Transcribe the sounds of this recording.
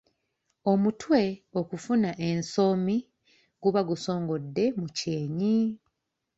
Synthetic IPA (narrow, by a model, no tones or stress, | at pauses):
o̞mutʰwe̞okufunaʔe̞nso̞mi | ɡuβaɡuso̞ːŋɡo̞dːe̞muceːɲi